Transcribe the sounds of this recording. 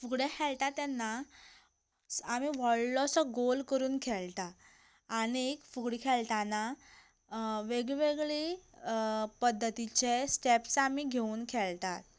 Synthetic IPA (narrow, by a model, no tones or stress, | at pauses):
fuɡɽɛkʰɛɭt̪at̪ːɛnːa | amiʋəɽlɔsɔɡolkəɾuːnkʰɛɭt̪aː | ɽ̃iekfuɡɽkʰɛɭt̪ana | ʋeɡɭʋeɡɭi | pəd̪ʱːət̪it͡ɕesʈepsamiɡʱeuːnkʰɛɭt̪at̪̚